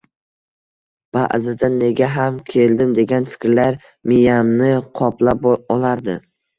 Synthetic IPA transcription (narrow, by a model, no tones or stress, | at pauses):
b̥a̰ʔzɪd̪anːe̞ɡʲaɦamkʲʰe̞ld̪ɪmd̪e̞ɡʲanfɪ̥kʲɾlaɾ | mɪjamnɪqʰɒplapɒlaɾd̪ɪ